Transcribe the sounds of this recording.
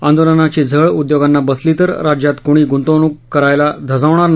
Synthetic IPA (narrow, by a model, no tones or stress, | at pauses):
and̪olənat͡ɕid͡zʱəɭud̪joɡanːabəslit̪əɾɾad͡ʑjat̪koɽ̃iːɡunt̪onukːəɾajlad̪ʱəd͡zaʋɳaɾn